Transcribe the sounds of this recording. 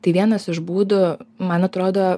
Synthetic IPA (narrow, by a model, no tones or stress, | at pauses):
t̪ɐɪʋʲiɛnɐsɪʒbuːd̪ʊmɐnɐt̪ɾoːd̪oː